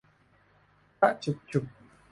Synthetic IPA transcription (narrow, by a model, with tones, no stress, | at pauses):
a˦ʔt͡ʃu˨k̚t͡ʃu˨k̚